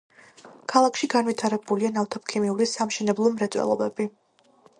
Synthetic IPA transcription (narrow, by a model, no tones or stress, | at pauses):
kʰalˠakʰʃiɡanvit̪ʰaɾɛbulianaft̪ʰɔp̚kʰimiuɾisamʃɛnɛblˠɔmɾɛt̪sʼwɛ̰lˠɔ̰bɛbi